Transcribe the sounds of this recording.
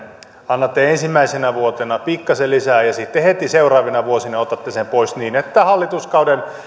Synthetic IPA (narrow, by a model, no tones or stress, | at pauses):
ɑnːɑt̪ːeensimːæisenæʋuot̪enɑpikːɑselisæːjɑsit̪ːehet̪iseurˑɑːʋinɑʋuosinɑot̪ɑt̪ːesempoisniːnet̪ːæhɑlːit̪uskɑuden